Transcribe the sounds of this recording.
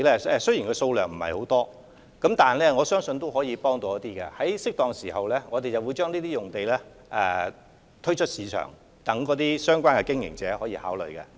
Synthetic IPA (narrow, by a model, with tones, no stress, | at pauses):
lɛː˥ɛ˧sɵ˥ɥjiː˨˩nkɔː˧so˧wlœː˨ŋm̩˨˩hɐ̰˨jho˨˥wt̪ɔː˥ | kɐ˨˥mt̪aː˨nlɛː˥ŋɔː˨˧sœː˥ŋsɵ˧nt̪o˥wɦɔː˨˥jiː˨˧pɔː˥ŋt̪oː˨˧jɐ˥t̪iː˥kɛ̰˧hɐ˨˥jsɪ˥k̚t̪ɔː˨˧ŋsiː˨˩hɐ˨wlɛː˥ŋɔː˨˧t̪e˨jt͡sɐ˨˩wu˨˧jt͡ʃœː˥ŋliː˥t̪iː˥jʊ˨ŋt̪e˨jlɛː˥ | ʔɛ˨˧ | t̪ʰɵ˥ɥt͡ʃʰɵ˥t̚siː˨˧t͡ʃʰœ̰ː˨˩ŋ | t̪ɐ˨˥ŋkɔː˨˥t̪̬iː˥sœː˥ŋkʷwaː˥nkɛ˧kɪ˥ŋjɪ̰˨˩ŋt͡sɛ̰ː˨˥hɔː˨˥jiː˧haː˨˥wlɵ̰˨˩jkɛ̰˧